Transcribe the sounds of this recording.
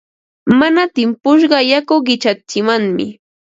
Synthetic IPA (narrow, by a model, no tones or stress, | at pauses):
manat̪ɪmpʊʃ̬ɢɑjakʊɢɪt͡ʃat͡ʃɪmaŋmɪ̰